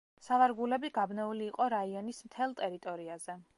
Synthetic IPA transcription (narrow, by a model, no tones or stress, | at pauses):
savaɾɡulɛbiɡabnɛuliːqʼɔɾaiɔnismt̪ʰɛlˠt̪ʼɛɾit̪ʼɔɾiaz̥ɛ